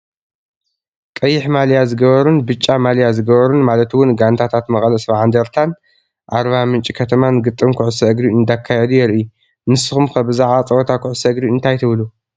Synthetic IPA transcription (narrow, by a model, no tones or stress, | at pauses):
kʼɐjːɪħmaljazɨɡɐβɐɾunbɨt͡ʃʼːamaljazɨɡɐβɐɾunmalɐt̪wʊnɡant̪ʰat̪ʰat̪mɐχʼlɐsβaʕand̪ɐɾt̪ʰan | ʔaɾβamɨnt͡ʃʼikʰɐt̪ʰɐmanɡɨt̪ʼːɨmkʰʊʕʊsɐʔɨɡɾiɨnd̪akʰːajɛd̪ujɛɾʔɨu | nɨsɨxumxɐbɨzaʕβat͡sʼɐwɔt̪ʰakʰʊʕʊsɐɨɡɾiɨnt̪ʰajt̪ʰɨβlu